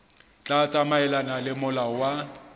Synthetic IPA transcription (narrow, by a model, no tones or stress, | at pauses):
t͡ɬʼat͡sʼamaɛlanalɪmʊlawa